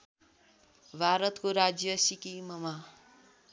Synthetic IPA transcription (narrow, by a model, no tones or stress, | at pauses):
bʱaɾʌt̪koɾad͡zjʌsikimʌma